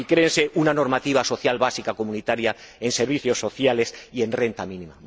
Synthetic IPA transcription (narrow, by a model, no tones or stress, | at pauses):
ikɾeːnse̞ʔunano̞ɾmat̪iβ̞aso̞θjalβasikako̞mũnit̪aɾja | e̞nseɾβ̞iθjo̞sːo̞θjale̞sie̞nre̞nt̪amĩnĩma